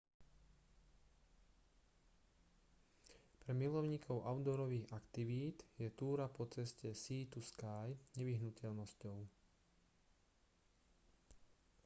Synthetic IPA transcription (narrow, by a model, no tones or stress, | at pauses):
pɾɛmilɔʊɲiːkʰɔʊʔaʊd̪ɔɾɔʋiːɣakt̪iʋiːd̪jɛt̪uːɾapɔt͡sɛscɛsiːt̪uskaːjɲɛʋiɦnucʰɛʎnɔscɔʊ